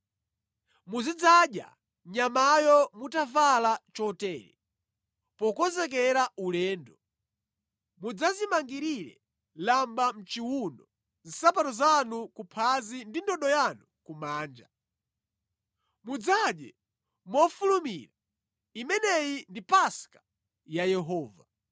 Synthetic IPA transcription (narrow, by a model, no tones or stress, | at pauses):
muzid͡zaɗja̰ | ɲamajɔmutavalat͡ʃɔtɛːɾɛ̰ | pɔkɔzɛk̬ɛɾaulɛːndɔ | mud͡zazimaŋɡiɾiɾɛ̰ | lambam̩t͡ʃiwundɔ | zisap̬atɔzanukupʰazindindɔɗɔjanukumaːnd͡ʒa | mud͡zaɗjɛ̰ | mɔfulumiɾa | imɛnɛjindipaskḁ | jajɛɦɔːva